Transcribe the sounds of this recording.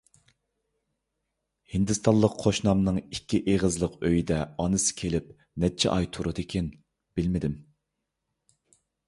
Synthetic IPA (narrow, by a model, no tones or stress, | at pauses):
hind̪ɨst̪ʰɑlˠːəqqʰːoʃnɑmnɨŋikʲʰːiʔeʁəzlˠəqøjid̪ɛɑnɨsɨ̥kʲʰelɪp̚ | nɛt͡ʃʰːɛ̰ʔɑjt̪ʰuɾud̪ɪkʲʰɛn | b̥ɪlmɪd̪ɪm